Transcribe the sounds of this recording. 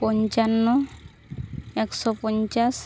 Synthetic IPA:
pɔɲt͡ʃanːɔ | ɛksɔpɔɲt͡ʃas

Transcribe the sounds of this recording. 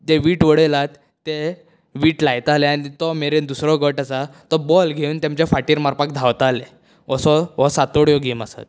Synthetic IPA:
d͡ʑeʋiːʈʋəɽelat̪ːe | ʋiːʈlajt̪aleañit̪ɔmeɾed̪usɾɔɡəʈasat̪ɔbɔlɡʱeuːnt̪jãmt͡ɕjafaʈiːɾmaɾpak̚d̪ʱaʋt̪ale | əsɔʋɔsat̪oɽjɔɡiːmasa̰t̪̚

